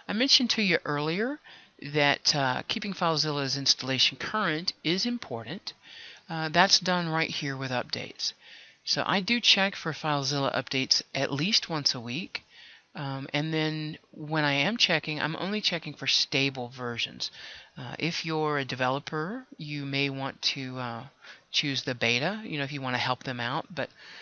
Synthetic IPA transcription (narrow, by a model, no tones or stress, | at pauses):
aɪmɛ̃nʃɨ̃ntʰɨjɨʔɜ˞lˠiə˞ðɨtkʰipɪ̃ŋfaɪlˠzɪlˠəzɪ̃nstəleɪʃɨ̃n̩kʰɜ˞ɨ̃ntɪzɨ̃mpʰɔɹʔn̩t | ðætsd̥ʌ̃nɹaɪt̚hiɹwɨðʌp̚d̥ḛɪtssoʊʔa̰ɪdɨt͡ʃʰɛkfə˞faɪlˠzɪlˠə̰ʔʌ̰p̚d̥eɪtsʔɨʔˡlist̚wʌ̃nsəwik | ɨ̃nðɨ̃nwə̃ɾ̃aɪɨ̃mt͡ʃʰɛkɪ̃ŋã̰ɪ̃mõ̰ʊ̃nlit͡ʃʰɛkɪ̃ŋfə˞steɪbl̩ˠvɜ˞ʒɨ̰̃nz̥ʔɪfjə˞ɨdɨvɛlˠəpʰə˞jɨmeɪwɑ̃ntʰɨ | t͡ʃʰʉzðɨbeɪɾɨjɨ̰ñoʊɨfjɨwɑ̃ñɨhɛlˠp̚ðɨ̃maʊt̚b̥ʌt̚